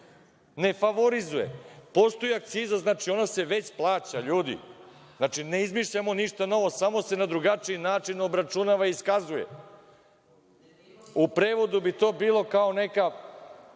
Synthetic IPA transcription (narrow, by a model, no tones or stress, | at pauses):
ne̞faʋoɾizujḛpo̞st̪ojiak̚t̪siːzaznaːt͡ʃio̞nase̞ʋe̞t͡ɕplˠaːt͡ɕaʎuːd̪ḭ | znat͡ʃine̞izmiʃʎamo̞niʂt̪ano̞ʋo̞samo̞se̞nad̪ɾuɡat͡ʂiinaːt͡ʂino̞bɾat͡ʂunaʋaiskazujḛ | upɾeːʋo̞d̪ubit̪o̞ːbiːlˠo̞kaone̞ka